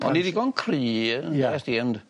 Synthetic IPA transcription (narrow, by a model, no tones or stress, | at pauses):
ɔ̰nidiɡɔnkʰriːnɛsdiɛnd